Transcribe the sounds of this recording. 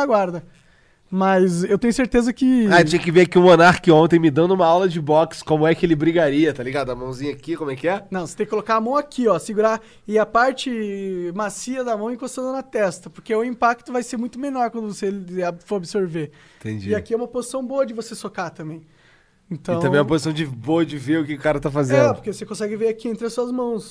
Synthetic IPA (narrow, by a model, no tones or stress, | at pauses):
aɡwaɾd̪ɐ | mɐzewt̪ẽɲʊseɾt̪ezɐkɪat͡ʃĩɲɐkɪveɾakiũonaɾkɪõnt̪̬ẽmɪd̪ɐ̃nd̪ʊũmɐawlɐd͡ʒɪbɔkskõmʊɛkɪelɪbɾiɡaɾiɐt̪aliɡad̪ʊɐmɐ̃w̃zĩɲɐakikomʊɛkɪɛnɐ̃w̃se̥t̪ẽkɪkolokaɾamɐ̃w̃akʰiɔsiɡuɾa | ɪapaɾt͡ʃɪmasiɐd̪ɐmɐ̃w̃ɪkost̪ɐ̃d̪ɐnɐt̪ɛst̪ɐpoɾkeʊĩpak̚t̪ʊvajseɾmũj̃t̪ʊmenɔɾkwɐ̃nd̪ʊvoselɪafoɾabɪsoɾvẽ | t̪ḛ̃d͡ʒiakiɛumɐpozisɐ̃w̃boɐd͡ʒɪvosesokat̪ɐ̃mbẽj̃ | ẽnt̪ɐ̃w̃ɐ̃mẽjɛumɐpozisɐ̃w̃d͡ʒɪboɐd͡ʒɪveɾʊkɪʊkaɾɐt̪afazẽnɛdpʊpoɾkevosekõsɛɡɪveɾakiẽnt̪ɾɪɐsuɐzmɐ̃w̃s